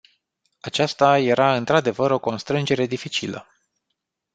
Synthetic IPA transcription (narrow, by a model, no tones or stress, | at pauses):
at͡ʃast̪aje̞ɾaɨnt̪ɾad̪e̞vəɾo̞ko̞nst̪ɾɨnd͡ʒe̞ɾe̞d̪ifit͡ʃilə̰